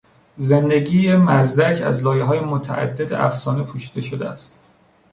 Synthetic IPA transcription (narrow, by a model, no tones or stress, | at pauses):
zend̪e̞ɟiːjemæzd̪æcʰæ̰zlɒːjeɦɒːjemot̪ʰæʔæ̰d̪ːe̞d̪ḛʔæ̰fsɒːnepʰuʃiːd̪e̞ʃod̪eæst̪